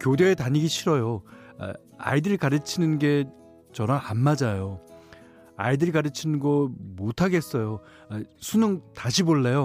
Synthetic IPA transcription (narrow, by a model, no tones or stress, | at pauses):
kʲjodeːtaɲiɡiɕʰiɾʌjoa̰ | a̰idɯɭkaɾɯt͡ɕʰinɯnɡe̞ | t͡ɕʌnaanmad͡ʑajo | a̰idɯɭkaɾɯt͡ɕʰinɯnɡʌmotʰaɡe̞s͈ʌjo | asʰunɯŋtaɕʰiboɭːe̞jo